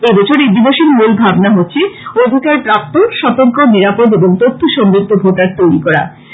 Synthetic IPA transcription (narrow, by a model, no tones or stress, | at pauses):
ɡed̪ot͡ɕʰoɾid̪iboʃiɾmulbʱabnaɦotːɕʰeod̪ʱikaɾpɾap̚t̪oʃɔt̪oŋkoniɾapod̪eboŋt̪ot̪ʰːoʃɔmɾit̪ːobʱoʈaɾt̪ojɾikɔɾa̰